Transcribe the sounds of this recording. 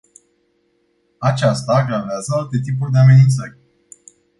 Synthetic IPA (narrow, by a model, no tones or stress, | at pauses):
at͡ʃast̪aːɡɾaveazəalt̪e̞t̪ipurʲd̪e̞ame̞nint̪sərʲ